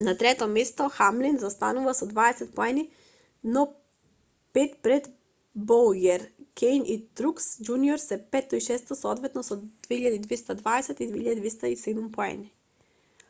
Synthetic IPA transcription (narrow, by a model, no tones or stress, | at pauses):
nat̪ɾɛt̪ɔmest̪ɔxamlinzast̪anuvasɔd̪vaɛsɛt̪pɔɛni | nɔ | pɛt̪pɾɛd̪ | bɔljɛɾkʰɛjnit̪ɾuksd͡ʒuniɔɾsɛpɛt̪ːɔiʃɛst̪ɔsɔd̪vɛt̪nɔsɔd̪veiʎad̪id̪vest̪ad̪vaɛsɛt̪id̪vehiʎad̪id̪vest̪aised̪umpɔɛ̰ni